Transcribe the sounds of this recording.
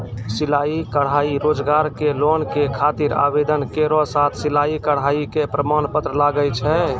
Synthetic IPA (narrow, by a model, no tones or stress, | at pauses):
silaikəɽ̤ɦaiɾod͡ʒɡaɾkelonkekʰat̪iɾa̰bed̪ənkeɾɔsat̪ʰsilaikəɽ̤ɦaikepɾəmanpət̪ɾəlaɡət͡ʃʰɛ